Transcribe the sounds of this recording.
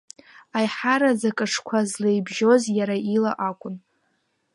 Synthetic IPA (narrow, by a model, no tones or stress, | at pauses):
ajħaɾazakʼaʈ͡ʂʰkʷʰazlejbʒo̞zjaɾaʔilaʔakʷʼʊn